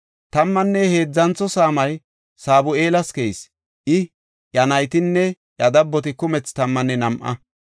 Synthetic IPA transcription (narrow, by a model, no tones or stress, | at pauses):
t̪ɐmːɐnːɛheːd͡zːɐnt͡sːɔsaːmɐj | saːbʊe̞ːlɐskejs | ʔɪ | jɐnɐjt̪ɪnːɛ | jɐd̪ɐbːɔt̪̬ɪkʊmɛt͡st̪ɐmːɐnːɛnɐmʔɐ̰